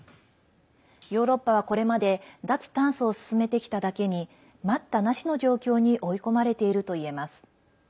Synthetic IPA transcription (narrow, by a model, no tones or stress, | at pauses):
jo̞ːɾo̞pːaβ̞ako̞ɾe̞mad̪e̞d̪at͡sɨ̥t̪ãɰ̃sɨo̞sɨ̥sɨme̞t̪e̞kʲi̥t̪ad̪ake̞ɲ̟i | mat̪ːanaɕino̞ʑo̞ːkʲo̞ːɲ̟iʔo̞iko̞maɾe̞t̪e̞iɾɯ̟t̪o̞ie̞masɨ̥